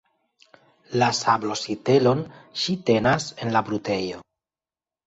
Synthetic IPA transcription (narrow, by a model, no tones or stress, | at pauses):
lasablo̞site̞lo̞nʃite̞nase̞nlabɾute̞jo̞